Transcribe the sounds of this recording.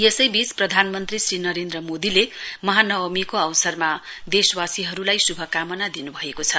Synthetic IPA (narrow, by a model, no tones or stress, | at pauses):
jesʌjbit͡sprʌd̪ʱanmʌnt̪risrinʌɾend̪rʌmod̪ilemʌɦanʌwʌmikoʌwsʌrmad̪eswasiɦʌɾulajsubʱʌkamʌnad̪inubʱʌekot͡sʰʌ